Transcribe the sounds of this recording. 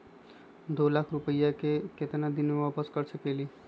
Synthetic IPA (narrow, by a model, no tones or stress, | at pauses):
d̪olakʰɾupəjakeket̪nad̪inmebapəskəɾsʰəkeli